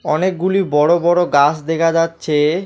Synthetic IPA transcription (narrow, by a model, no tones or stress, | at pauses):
ɔnek̚ɡulibɔɽobɔɽoɡasd̪ekʰad͡ʑatːɕʰe